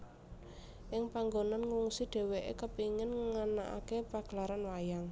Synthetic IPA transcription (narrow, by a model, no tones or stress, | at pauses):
ʔɪŋpaŋɡonanŋuŋsiɖ̪̥e̤weʔḛkəpiŋɪnŋanaʔa̰kepaɡ̥əlaɾanwajaŋ